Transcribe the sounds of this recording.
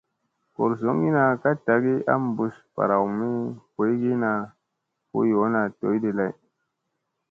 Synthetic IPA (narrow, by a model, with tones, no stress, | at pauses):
ko˨ɾzo˨˦ŋi˦na˨ka˦ta˨˦ɡi˦a̰˦m˨bu˨spa̰˨ɾa˨wmi˦ko˨˦ɡi˦na˨ | ko̰˦jo˨˦na˨to̰˨˦jde˨la˦˨j